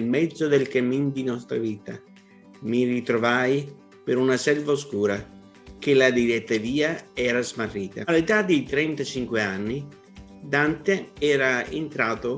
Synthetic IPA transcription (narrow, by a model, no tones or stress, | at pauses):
lmɛd̪zːod̪elkamind̪inɔst̪ɾaviːt̪a | mirit̪ɾovaj | peɾunasɛlvaoskuːɾa | k̟elad̪iɾɛt̪ːaviːaɛːɾazmarːiːt̪a̰let̪ad̪it̪ɾɛnt̪at͡ʃiŋkweanːi | d̪ant̪eɛːɾaent̪ɾaːt̪o